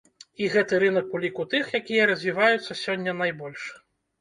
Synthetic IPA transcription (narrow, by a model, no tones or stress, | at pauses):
iɣɛt̪ɨɾɨnɐk̚pulʲikut̪ɨxjakʲijɐɾɐzʲvʲivajut̪sːɐsʲɔnʲːɐnajbɔlʲʂ